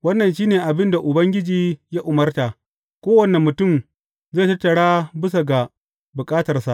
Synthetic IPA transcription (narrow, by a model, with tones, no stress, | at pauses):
wɐ˦nːɐ˨nʃiː˦neː˨ʔa˨bɪ˦nda˨ʔʊ˨bɐ˦ŋɡʲɪ˦d͡ʒiː˨ja˦ʔʊ˨mɐ˦rtaː˨ | kʷoː˦wɐ˨ne˨mːʊ˨tʊ˦˨m | ze˦˨tɐ˦tːɐ˨ɽaː˦bɪ˦s̬a˨ɡa˨ | bʊ˨kʼaː˦tɐ˨rsa˨ʔ